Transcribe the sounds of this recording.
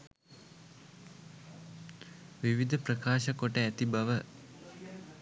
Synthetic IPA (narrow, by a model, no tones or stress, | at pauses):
ʋiʋid̪əpɾəkaːʃəkoʈəæt̪ibaʋə